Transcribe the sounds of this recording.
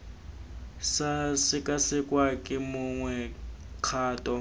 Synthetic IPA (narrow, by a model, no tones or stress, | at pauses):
sasɪkʼasɪkʼwakʼɪmʊŋwɛ | q͡χʰaːtʼɔ